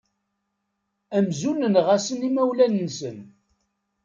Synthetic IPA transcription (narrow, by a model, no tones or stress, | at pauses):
æmzunənʁasənimæwlænnsən